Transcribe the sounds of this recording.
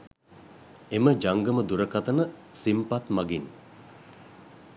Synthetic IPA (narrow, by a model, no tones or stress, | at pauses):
eməd͡ʒaŋɡəməd̪uɾəkat̪ənəsimpat̪maɡin